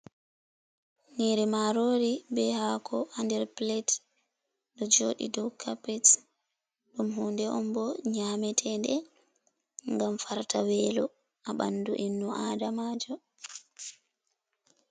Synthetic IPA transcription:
ŋiɾimaɾoːɾibɛhakʰɔʔandɛɾplɛt | dɔd͡ʒoːɗḭdɔwkʰapɛs | ɗumɦuːndɛʔɔmbɔɲamɛtʰɛndɛ | ŋɡamfaɾtawɛːlɔ | ʔaɓa̰nduʔinːuʔaːdamad͡ʒɔ

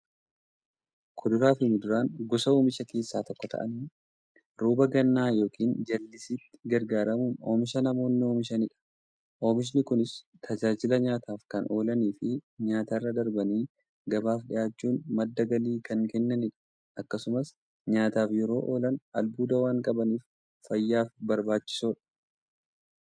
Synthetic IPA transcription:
kʰɔd̪ʊɾaːfɪmʊd̪ʊɾaːŋɡɔsɐoːmɪʃɐke̞ːsːaːt̪ɔkːɔt̪ʰɐ̰ʔɐn | ɾuːbɐɡɐnːaːjo̞ːkiːnd͡ʒɐlːɪsiːt̪ːɪ̥ɡɐɾɡaːɾɐmuːno̰ːmɪʃɐnɐmo̞ːnːɪo̞ːmɪʃɐnɪᶑɐ̥ | ʔoːmɪʃ̬nɪkʊnɪs | t̪ʰɐd͡ʒaːd͡ʒɪlɐɲaːt̪ʰaːfkɐnʔo̞ːlɐniːfɪɲaːt̪arːɐd̪ɐɾbɐniː | ɡɐbaːfɗɪjaːt͡ʃːuːnmɐd̪ːɐɡɐliːkɐŋkɛnːɐnɪᶑɐ̥ | ʔɐkːɐsʊmɐs | ɲaːt̪aːfjɛɾo̞ːʔo̞ːlɐnʔɐlbuːd̪ɐwaːŋkʼɐbɐniːf | fɐjːaːfbɐɾbaːt͡ʃːɪ̥soːᶑɐ̥

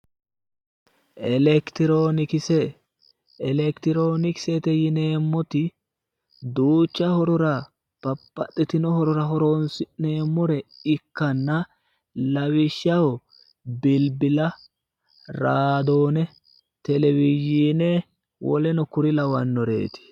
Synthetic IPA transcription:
ʔɛlɛkt̪ɪɾoːnɪkɪsɛ | ɛlɛkt̪ɪɾoːnɪkɪ̥sɛt̪ɛjɪneːmːɔt̪ɪ | d̪uːt͡ʃːɐhɔɾɔɾɐ | pɐpːɐt̪ʼːɪt̪ɪnɔhɔɾɔɾɐɦɔɾonsɪneːmːɔɾɛɪkːɐnːɐ | lɐwɪʃːɐwɔ | bɪlbɪlɐ | ɾaːd̪o̞ːnɛ | t̪ɛlɛwɪjiːnɛ | wʔɔ̰lɛnɔkʊɾɪlɐwɐnːɔɾḛːt̪ɪ̥

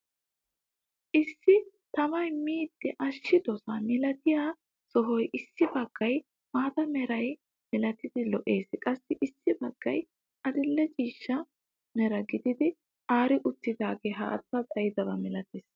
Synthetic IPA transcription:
ʔɪsːɪ | t̪ɐmɐjmiːd̪̥ːɛʔɐʃːɪd̪ɔsɐmɪlɐt̪ɪjaː | sɔɦɔjʔɪsːɪbɐɡ̥ːɐj | maːt̪ɐmɛɾɐj | mɪlɐt̪ɪd̪ɪlɔʔe̞ːskʼɐsːɪʔɪsːɪbɐɡ̥ːɐj | ʔɐd̪ɪlːɛt͡ʃʼiːʃːɐ | mɛɾɐɡɪd̪ɪd̪ɪ | ʔaːɾɪʔʊt̪ːɪd̪aːɡeːɦɐ̰ʔɐ̰t̪ːɐt̪ʼɐjɪd̪ɐbɐmɪlɐt̪eːs

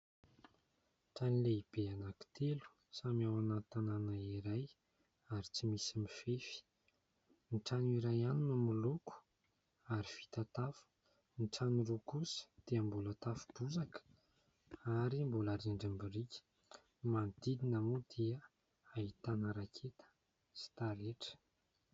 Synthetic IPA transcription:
ʈ͡ʂanileib̥eanaki̥t̪ʰelu̥ | samiawanat̪ananaiɾaj | aɾit͡simisimifefi̥ | niʈ͡ʂaniɾajanunəmuluku̥ | aɾifi̥t̪at̪afə̥ | niʈ͡ʂanurukusə̥d̪̥eəmbulət̪afu̥buzakə̥ | aɾimbulaɾiɳɖ͡ʐambiɾikʲə̥ | mand̪id̪inamod̪iə | aɦit̪anəɾakʰet̪ə̥ | si̥t̪aleʈ͡ʂə̥

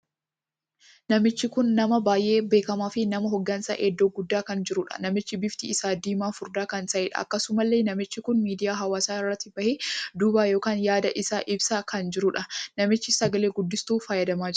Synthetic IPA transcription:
nɐmɪt͡ʃːɪkʊnːɐmɐbaːjʔe̞ːbe̞ːkɐmaːfɪnɐmɐɦɔɡːɐnsɐ̰ʔɛd̪ːoːɡʊd̪ːaːkɐnd͡ʒɪɾʊᶑɐ̥̰nɐmɪt͡ʃːɪbɪft̪ɪɪsaːd̪iːmaːfʊɾd̪aːkɐnsɐʔeːᶑɐ̰ɐ̰kːɐsʊmɐlːe̞ːnɐmɪt͡ʃːɪkʊnmiːd̪ɪjaːɦɐwaːsaːɪrːɐt̪ːɪbɐheːd̪ubaːjo̞ːkaːnjaːd̪ɐʔɪsaːʔɪbsɐkɐnd͡ʒɪɾʊᶑɐnɐmɪt͡ʃːɪsɐɡɐle̞ːɡʊd̪ːɪst̪uːfaːjɐd̪ɐmaːd͡ʒ

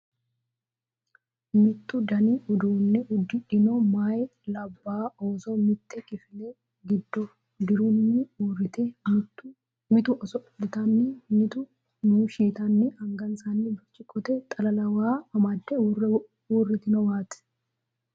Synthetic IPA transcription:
mɪt̪ːʊd̪ɐniʊd̪uːnːɪʔʊd̪ːɪᶑɪnɔmaːjlɐbːaːʔoːsɔmɪt̪ːɛkʼɪfɪlɛ | ɡɪd̪ːɔ | d̪ɪɾunːɪɪt̪e | mɪt̪ʊɔsɔʊd̪ɪt̪ɐnːɪt̪ʊ | nuːʃiːt̪ɐnːɪɐŋɡɐnsaːnːɪbɐt͡ʃːɪkʼɔt̪ɛt̪ʼɐlɐlɐwaːɐmɐd̪ːɛr | uːrːɪt̪ɪnɔwaːt̪ɛ̥

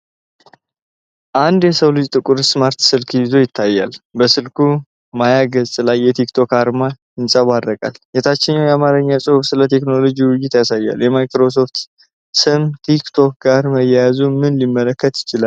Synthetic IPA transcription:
ʔand̪jɛsəwlɨd͡ʒʼt̪ʼɨkʼʊɾsmaɾt̪sɨlkhizo̞jɪt̪ʰːajːa̰lbəsɨlkʰu | majaɡəzʼlajːɛt̪ʰikt̪ʰo̞kaɾma | ɨnsʼəβad̪ːəkʼa̰ljɛt̪ʰat͡ʃːɪnːawjɛamaɾəɲːasʼɨhuβsɨlət̪ʰe̞kno̞lo̞d͡ʒiwʊjːɪt̪jasajːa̰ljɛmajkɾo̞s̬o̞ft̪ | sɨmt̪ʰikt̪ʰo̞k̚ɡaɾməjɛjazumɨnɨnlimːələkːət̪jɪt͡ʃɪlal

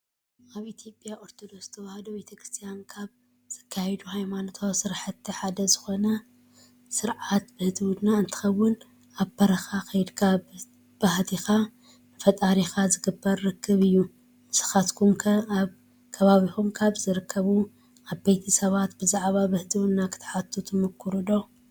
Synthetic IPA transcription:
ʔaβʔit̪ʰjo̞pʼːjaʔo̞ɾt̪ʰo̞d̪o̞kst̪ʰɐwahɐd̪obet̪ʰɐkɾɨ̥st̪ʰijankʰaβ | z̥ɨkʰːajɛd̪uhajmanot̪ʰawsɨɾħɨt̪ʰːiħad̪ɐzɨxo̞nɐ | sɨɾʕat̪bɨhɨzɨwud̪naɨnt̪ʰɨ̥xɐwːʊn | aβpʰːɐɾɐxaxɐjd̪kʰaβ | b̥aht̪ʰixa | ɨfɐt̪ʼaɾixazɨɡɨbːɐɾːɨkʰːɨβɨjːu | ɨsɨ̥xat̪kʰumkʰɐβ | kʰɐβaβixumkʰaβzɨɾɨkʰːɐβu | aβbejt̪ʰisɐβat̪bɨzaʕβabɨhɨd̪ʰɨwud̪nakʰɨ̥t̪ʰħat̪ʰːut̪ʰɨmɨkʰːuɾɨd̪o̞

